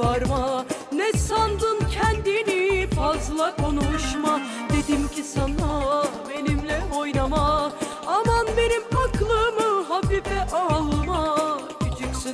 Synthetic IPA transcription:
aɾmanɛsand̪ɯncʰɛnd̪inifazlˠakʰonuʃma | d̪e̞d̪imcʰisanabe̞nimlʲɛo̞jnama | amanbe̞nimakʰlˠɯmɯɦabifɛʔalˠma | byd͡ʒyksy

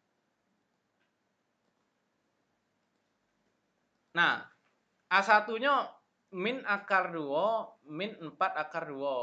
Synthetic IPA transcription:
nah | ʔasat̪uɲɔ | mɪnakarduɔmɪnmpat̪̚akarduwɔ

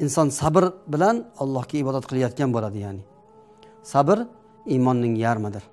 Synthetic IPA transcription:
ɪnsɒnsabɾbɪlanɒlˠːɒhɡʲaɪbɒd̪at̪̚qʰɨlˠajɒt̪kʲanbolad̪ɪjanɪ | sabɾ | imɒnːɪŋjaɾmad̪ɪɾ

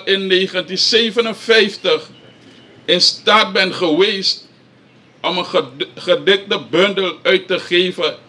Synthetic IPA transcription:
ɪnːeːχəntinseːvənənfɛjftəχ | ɪnstaːt̚bɛnχəʋejst | ɔməχədɪk̚dəbɵndəlœɥtːəχeːvə

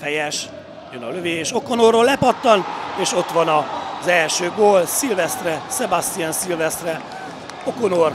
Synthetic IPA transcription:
fɛjɛʃ | jønɒ̰løveːeːʃo̞konoːrːoːlɛpɒt̪ːɒneːʃo̞t̪ʋɒnɒzɛlʃøːɡoːlsilvɛst̪rɛsɛbast̪ijansilvɛst̪rɛ | okonoːr

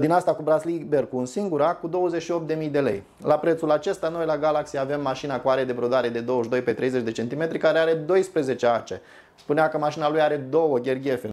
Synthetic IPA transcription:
d̪inast̪akubɾazlibe̞rkunsiŋɡuɾakud̪o̞wəzet͡ʃʃio̞p̚t̪d̪e̞mijd̪e̞le̞̰j | lapɾet̪sulat͡ʃe̞st̪ano̞jlaɡalaksiavemːaʃinakuaɾe̞d̪e̞bɾo̞d̪aɾe̞d̪e̞d̪o̞wəʃd̪o̞jpe̞t̪ɾe̞jze̞t͡ʃd̪e̞t͡ʃe̞nt̪ime̞t̪ɾikaɾeaɾe̞d̪o̞jspɾe̞ze̞t͡ʃeat͡ʃe̞̰ | spuneakəmaʃinalujaɾe̞d̪o̞wəɡʲe̞rɡʲe̞fe

